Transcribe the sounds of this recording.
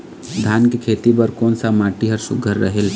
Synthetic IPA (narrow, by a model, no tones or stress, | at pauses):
d̪ʱjaːnkikʰeːt̪ibəɾkɔːnsamaːʈiɦəɾsʊ̰ɡʱəɾːəɦel